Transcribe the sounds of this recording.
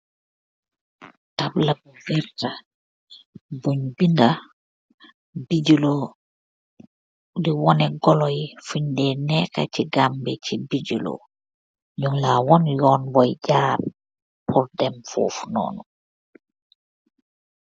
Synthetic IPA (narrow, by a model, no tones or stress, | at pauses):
tablabuɡɛɾta | buɲbinda | bid͡ʒulɔ | diwɔnɛɡɔlɔjfuɲdɛnɛka̰t͡ʃiɡambɛt͡ʃibid͡ʒulɔ̰ | ɲuŋlawɔnjɔnbɔjɟaːb | pʰuɾdɛmfo̰fnɔ̰ːnɔ